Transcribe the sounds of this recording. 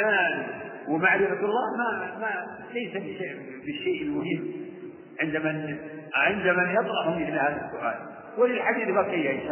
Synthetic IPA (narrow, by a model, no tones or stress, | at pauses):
aːl | wɪmaʕɾɪfaɑlˤːɑːhmama | lajsabɪʃaʔ | bɪʃːeːʔɪlmʊhɪmː | ʕɪnd̪aman | ʕɪnd̪amanjɑt̪ˤɾˤɑʔhʊmmɪθlahaːðasːʊʔa̰ːl | wɪlɪlħad̪iːθbakɪjːaʔɪnʃaː